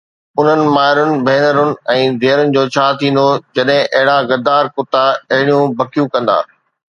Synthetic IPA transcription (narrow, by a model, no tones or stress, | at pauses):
ʊn̤ənɪ̆maːɪɾʊnɪ̆bʱeːnəɾʊnɪ̆ɛ̃ːd̪ʱeːɾʊnɪ̆d͡ʑoːt͡ɕʰaːt̪ʰĩːn̆d̪od͡ʑɐɗɦɪ̃ʔɐɦɪɽaɡɐɾd̪aːɾkʊt̪aɐɦɪɽijũbʱɐkijũkɐ̃nd̪a̰ː